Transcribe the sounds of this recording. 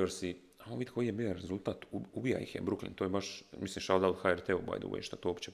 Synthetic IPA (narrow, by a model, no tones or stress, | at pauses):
oɾsi | aoʋid̪ʲko̞jijebioɾezulˠt̪aːt̪uubija̰jḭxjebɾuklḭnt̪oːjebaʃmislimʃad̪ald̪xaeɾt̪eoba̰jd̪ṵʋḛḛʃt̪at̪oopt͡ʃe